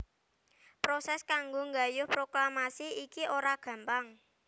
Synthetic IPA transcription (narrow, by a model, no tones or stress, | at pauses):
pɾosɛskaŋɡoŋɡajʊhpɾoklamasiikioɾaɡ̥ä̤mpaŋ